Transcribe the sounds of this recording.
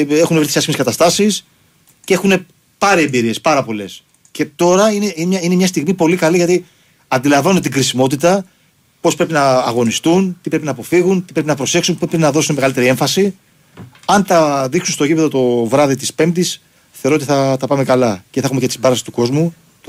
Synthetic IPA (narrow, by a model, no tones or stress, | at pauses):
e̞xunevɾit̪isiɐscimekɐt̪ɐst̪ɐsis | cee̞xune̞ | pɐɾiembiɾie̞spɐɾɐpo̞le̞s | ce̞t̪o̞ɾɐineimɐine̞mɲɐst̪iɣmipo̞likɐliʝɐt̪i | ɐnd̪ilɐɱvɐnunet̪iɡɾisimo̞t̪̬it̪ɐ | po̞spɾe̞pinɐːɣo̞nist̪unt̪ipɾe̞pinɐːpo̞fiɣunt̪ipɾe̞pinɐpɾo̞se̞ksunpɾepɾepnɐðo̞sunemeɣɐlit̪e̞ɾie̞ɱfɐsi | ɐnt̪ɐðiksunst̪o̞cipeðo̞t̪o̞vɾɐðit̪ispe̞mt̪is | θeoɾoot̪iθɐt̪ɐpɐme̞kɐlɐceθɐxumcet̪i̥sbɐɾɐfsi̥st̪u̥ko̞zmu